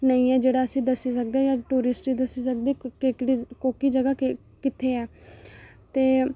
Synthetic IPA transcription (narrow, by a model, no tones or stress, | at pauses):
nəĩːɛːd͡ʒeːɽaːəsĩːd̪əsiːsək̚d̪eãjaːʈuːɾɪsʈiːd̪əsiːsək̚d̪eːkeɽikoːkiːd͡ʒəɡaː | kɪt̪ʰeːɛː | t̪eː